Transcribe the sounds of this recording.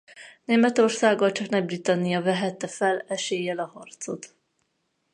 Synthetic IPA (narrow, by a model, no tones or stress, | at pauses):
neːmɛt̪o̞rsaːɡɒlt͡ʃɒknɛbrit̪ɒnːijɒvɛɦɛt̪ːɛfɛlɛʃeːjɛlɒhɒrt̪so̞t̪